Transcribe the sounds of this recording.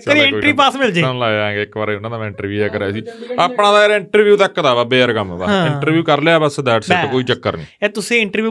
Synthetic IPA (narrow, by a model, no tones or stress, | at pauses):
əɾẽʈɾiːpaːsmɪld͡ʒeːnlaːãːŋɡeːɪkʋaɾʊnãːd̪aːm̃ːɪ̃ɳʈəɾʋjuːɛːkəɾaːsiːaːpɳãːd̪aːɾɪɳʈəɾʋjuːt̪əkːd̪aːbaːbeːəɾkəmbã̰ɪ̃ɳʈəɾʋjuːkəɾlejaːbəsd̪ɛːɖsekoːiːt͡ʃəkːəɾnḭ̃ːɛːt̪ʊsẽːɪɳʈəɾʋjuː